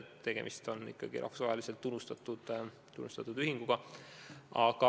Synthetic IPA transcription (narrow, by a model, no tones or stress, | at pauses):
t̪ːe̞ɡ̥e̞̰mist̪o̞nːḭkːɑɡ̥ḭʔɑ̰fsvɑ̰ːelise̞lt̪ːunːust̪ɑt̪ːˑud̪̥ | t̪unːust̪ɑt̪ːˑud̪yɦiŋɡ̥uɡ̥ɑ | ʔɑɡ̥ɑ